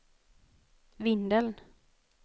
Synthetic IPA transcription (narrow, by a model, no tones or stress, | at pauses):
vɪnd̪əln